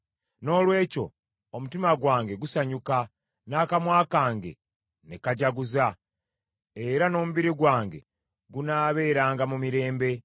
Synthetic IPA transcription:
no̞ːlwe̞ːco̞̰ | omutimaɡwaːŋɡe̞ɡusaɲuka | naːkamwaːkaːŋɡe̞̰ | nekaɟaɡuza | e̞ɾano̞ːmuβiɾiɡwaːŋɡe̞̰ | ɡunaːβe̞ːɾaːŋɡamumiɾe̞ːmbe̞

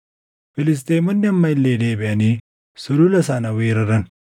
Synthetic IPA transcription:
fɪlɪs̬t̪eːmɐnːɐmːɐlːeːdeːbeani | suɾulɐsaːnɐweːɾɐɾɐn

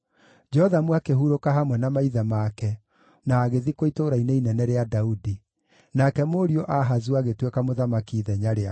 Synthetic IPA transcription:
d͡ʒɛɔðamwakeɦuɾokaɦamwɛnamaiðamakɛ | naːɣeðikoitoɾaineinɛnɛɾeadaudi | nakɛmoɾiɔʔaɦazuaɣetwekamoðamakiːðɛɲaɾea

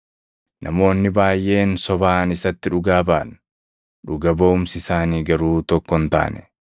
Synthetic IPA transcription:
nʔɐmo̞ːnːɪbaːjʔe̞ːnsɔbaːnɪsɐt̪ːɪᶑʊɡaːbaːn | ᶑʊɡɐbɐʊmsɪsaːniːɡɐɾuːt̪ɔkːɔnt̪a̰ːnɛ̥

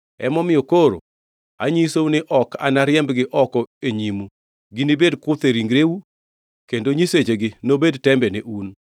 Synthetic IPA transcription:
ɛ̰mɔmɪjɔkoɾo̰ | a̰ɲisounɪʔɔkʰa̰naɾɪɛmbɡɪʔɔkɔeɲimu | ɡɪnibedkʊt̪eɾiŋɡɾewu | kendoɲiset͡ʃeɡɪnobedtɛmbɛneʔun

